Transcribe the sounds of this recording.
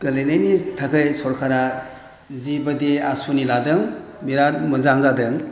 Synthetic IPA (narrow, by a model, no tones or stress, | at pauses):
ɡɯlejnajnitʰakʰɯjsɔɾkʰaɾa | zibadeasuniladɯŋ | miɾaɾmɯzaŋzadɯŋ